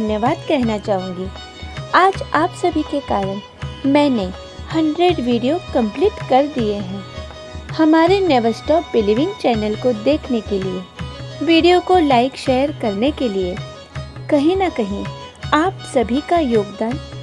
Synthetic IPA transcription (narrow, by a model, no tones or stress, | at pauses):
njəʋaːd̪kɛɦnat͡ʃaːɦũːŋɡi | aːd͡ʒaːpsɐbʱikekaːɾəɽ̃ | mɛ̃ːne | hɐ̃ɳɖɾeɖʋiːɖijokɐ̃mpliːʈkɐɾd̪ieɦɛ̃ː | hɐmaːɾeneːʋəsʈɔːpbɪliʋɪ̃ŋɡt͡ʃɛːnəlkod̪eːkʰnekelieʋiːɖijokolaːɪkʃeːjəɾkɐɾnekelie | kɐɦĩnɐkɐɦĩaːpsɐbʱikajoːɡd̪aːn